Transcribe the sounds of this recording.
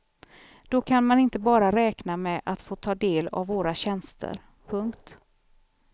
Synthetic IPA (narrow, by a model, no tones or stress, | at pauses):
d̪̥ɔkʰanmanɪnt̪əbɑːɾaɾɛːknamɛʔat̪foːt̪ʰɑːd̪eːla̰vːoːɾaɕɛnst̪ʰə̰ɾ | pʰɵŋkt̪